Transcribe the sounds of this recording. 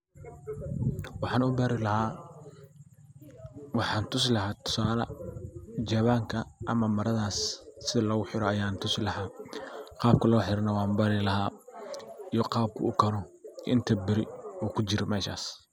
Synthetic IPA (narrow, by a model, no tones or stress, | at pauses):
wɑħɑːnʊbaːɾɪlɐhaː | wɑħɑːnt̪ʰʊslɐhaːt̪ʰʊ̥saːlɐ̰ | d͡ʒɐβaːŋkʰɐʔɐmɐmɐɾɐðaːsːɪðɐlɔːɣʊħɪɾɔɐjaːnt̪ʰʊslɐɦaːqɑːb̚kʰɐlɔːħɪɾɐnɐwɑːmbɐɾɪlɐɦaː | ijɔqɑːb̚kʰʊ̰ʊkʰɐɾɔʔɪ̰nt̪ʰɐbɪɾɪɔːkʰʊt͡ʃɪɾɔmɛːʃa̰ːs